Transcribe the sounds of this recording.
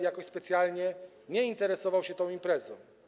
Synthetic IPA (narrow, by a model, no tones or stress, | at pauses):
jakɔɕspɛt̪sʲjalɲɛ | ɲɛint̪ɛɾɛsɔvawɕɛt̪ɔ̃w̃impɾɛzɔ̃w̃